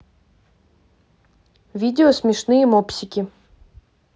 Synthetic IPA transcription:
vʲidʲɪosʲmʲɪʂnɨjəmopsʲɪkʲɪ

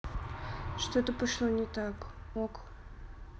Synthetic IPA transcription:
ʂt̪ot̪əpɐʂlˠonʲɪt̪akok

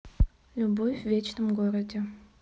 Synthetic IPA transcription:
lʲʊbofʲvvʲet͡ɕnəmɡoɾədʲɪ

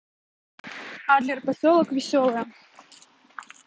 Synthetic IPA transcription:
xad̪lʲɪrpɐsʲɔlˠəkvʲɪsʲɔlˠɨj

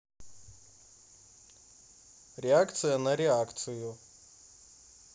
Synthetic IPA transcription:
rʲeakʰt̪sʰɨjanaɾeakʰt̪sʰɨju

